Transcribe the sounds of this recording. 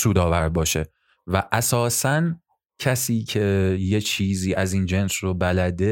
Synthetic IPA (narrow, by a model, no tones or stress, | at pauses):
suːd̪ɒːvæɾbɒːʃe̞ | væʔæsɒːsæn | cʰæsiːcʰe̞je̞t͡ʃʰiːziːʔæziːnd͡ʒe̞nsrobælæd̪e